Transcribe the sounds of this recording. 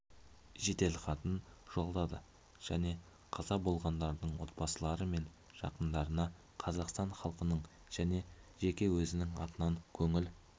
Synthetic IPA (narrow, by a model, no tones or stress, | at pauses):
ʒe̞t̪e̞lχɑt̪ənʒ̥o̞lˠd̪ɑd̪ə̰ | ʒ̥æne̞ | qʰɑzɑbo̞lˠʁɑnd̪ɑɾd̪əɴwo̞t̪̚bɑsəlˠɑɾəme̞n | ʒ̥ɑ̰qənd̪ɑɾənɑ | qʰɑzɑqst̪ɑɴχɑlˠqənəɴ | ʒ̥æne̞ʒe̞kʲe̞wɵzɪnɪŋɑ̰t̪ənɑŋkʲʰɵŋɪl